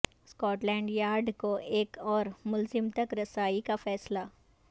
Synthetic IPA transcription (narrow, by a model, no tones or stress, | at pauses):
skɔːʈlɛ̃ːɳɖjaːɾɖkoʔeːkɔːɾmʊlzɪmt̪ɐkɾɐsaːikafɛːsla